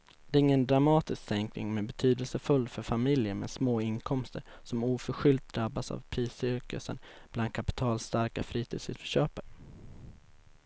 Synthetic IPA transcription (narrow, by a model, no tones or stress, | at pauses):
d̪̥ɛːɾɪŋːənd̪ɾamɑːt̪ɪsksɛŋknɪ̰ŋmɛbɛt̪ʰyːd̪əlsəfɵlːfœɾfamɪljəɾmɛ̰nsmoːɪnkʰɔmst̪əɾsɔmuːfœɾɧʏlt̪̚d̪ɾabːasa̰vpʰɾiːsʏɾkə̰sə̰nb̥land̪̚kʰapɪ̥t̪ʰɑːlst̪aɾkafɾiːt̪ʰiːd̪sʉ̰ːd̪fœ̥ɕøːpəɾ